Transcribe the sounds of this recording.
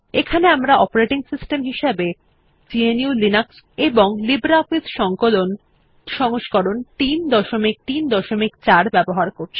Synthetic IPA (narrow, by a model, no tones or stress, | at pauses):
ekʰaneamɾaɔpoɾeʈiŋsisʈemɦiʃebe | d͡ʑieniulinaks | eboŋlibɾafid̪ʃɔŋkolon | ʃɔŋoʃkoɾont̪ind̪ɔʃomik̚t̪ind̪ɔʃomikt͡ɕaɾbɛboɦaɾkoɾt͡ɕʰi̥